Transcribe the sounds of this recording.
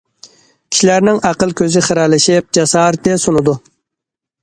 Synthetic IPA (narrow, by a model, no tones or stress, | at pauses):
kʲʰi̥ʃilæɾnɪŋæqəlˠkʲʰøzɪχəɾɑlɪʃɪp̚d͡ʒɑsɑɾ̚d̪ɛsonɨd̪u